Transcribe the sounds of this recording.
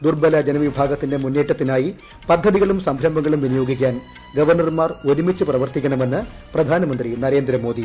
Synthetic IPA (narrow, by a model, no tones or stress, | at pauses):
d̪urbɐlɐd͡ʑenɐʋibʱaːɡɐt̪ːinde̞munːeːʈːɐt̪ːinaːji | pɐd̪ʱːɐðiɣɐɭumsɐmbʱɾɐmbɐŋːɐɭumʋinijo̞ːɡik̬ʲːaːn | ɡɐʋɐrɳɐrmaːro̞ɾumit͡ɕːɨprɐʋɐrt̪ikʲːɐɳɐme̞nːɨ | prɐd̪ʱaːnɐmɐnd̪rinɐɾe̞ːnd̪ɾɐmo̞ːd̪i